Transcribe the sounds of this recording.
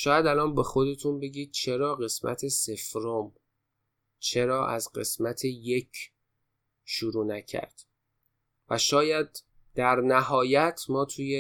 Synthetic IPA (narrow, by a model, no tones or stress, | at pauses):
ʃɒːjæd̪ælɒːnbe̞xo̞d̪e̞t̪ʰunbe̞ɟiːd̪̥̚t͡ʃʰe̞ɾɒːɣe̞smæ̰t̪ʰe̞se̞fɾom | t͡ʃʰe̞ɾɒːʔæzɢe̞̰smæt̪ʰeje̞cʰ | ʃuɾuːnæcʰæ̰ɾd̪̥ | væʃɒːjæd̪̚ | d̪̥æɾnæhɒːjæt̪ʰmɒːt̪ʰuːje